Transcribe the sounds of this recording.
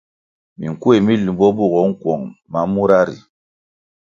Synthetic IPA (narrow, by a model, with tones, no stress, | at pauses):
mi˨ŋ˨ku˦e˨mi˦lu˨bɔ˦bu˦˨ɣɔ˨˦ŋ̩˦kwɔ˨ŋma˨mu˦ɾa˦ɾḭ˨